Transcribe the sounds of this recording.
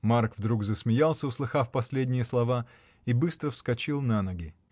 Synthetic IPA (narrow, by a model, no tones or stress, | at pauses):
markvd̪ɾuɡzəsmʲɪjalˠsʲəʊslˠɨxafpɐsʲlʲedʲnʲɪjəslˠɐva | ibɨst̪ɾəfskɐt͡ɕilˠnanəɡʲɪ